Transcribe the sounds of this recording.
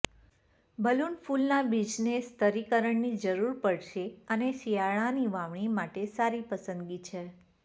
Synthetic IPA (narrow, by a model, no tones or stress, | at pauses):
bʱəlunfulnabid͡ʒnest̪ʰəɾikəɾəɳnid͡ʒəɾuɾpəɽʃeəneʃiaɭ̃aniʋaʋɳ̃imaʈesaɾipəsə̃nd̪ɡit͡ʃʰe